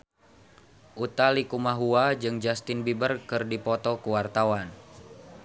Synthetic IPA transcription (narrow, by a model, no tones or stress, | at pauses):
ʔut̪alikumaɦuad͡ʒɨŋd͡ʒast̪ɪnbibərkɨrdipɔt̪ɔkuwart̪awan